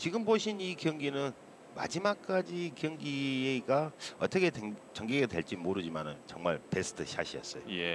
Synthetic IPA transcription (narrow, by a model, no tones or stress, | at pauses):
t͡ɕiɡɯmboɕʰinikjʌŋɡinɯn | ma̰d͡ʑimak̚k͈ad͡ʑikjʌŋɡieɡaʌt͈ʌkʰe̞tet͡ɕʌŋɡiɡedwe̞̰ɭt͡ɕ͈imoɾɯd͡ʑimanɯnt͡ɕʌŋma̰ɭpe̞sʰɯ̥tʰɯɕʰa̰ɕʰiʌ̰s͈ʌjoje